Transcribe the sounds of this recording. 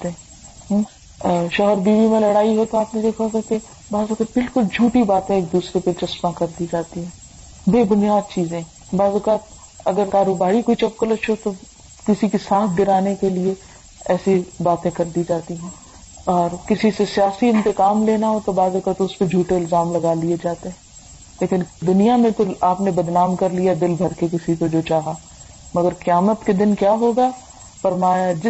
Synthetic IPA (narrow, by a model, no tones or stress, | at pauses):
t̪e | ʃɔːɦəɾbiːʋimẽlɐɽaːiɦot̪oaːpnẽd̪eːkʰat̪ake | baːzʊkaːt̪̚bɪlkʊld͡ʒʱuːʈibaːt̪ẽeːk̚d̪uːsɾepet͡ʃɐsmãkɐɾd̪id͡ʒaːt̪iɦɛ̃ː | beːbʊnijaːd̪̚t͡ʃiːzẽ | baːzʊkaːt̪ | ɐɡəɾkaːɾoːbaːɾikoit͡ʃɐp̚kolɐʃʰot̪o | kɪsikisaːt̪ʰɡ̪ɪɾaːnekelie | ɛːsibaːt̪ẽkɐɾd̪id͡ʒaːt̪iɦɛ̃ː | ɔːɾkɪsisesijaːsiɪ̃nt̪ekaːmleːnaɦot̪obaːzʊkaːt̪ʊsped͡ʒʱuːʈeɪlzaːmlɐɡaːlied͡ʒaːt̪eɦɛ̃ː | leːkɪnd̪ʊnijamẽt̪oaːpnebɐd̪naːmkɐɾlijad̪ɪlbʱɐɾkek̬ɪsikod͡ʒoːt͡ʃaːɦa | mɐɡəɾkɪjaːmət̪ked̪ɪnkjaːɦoːɡaː | fɐɾmaːjad͡ʒɪ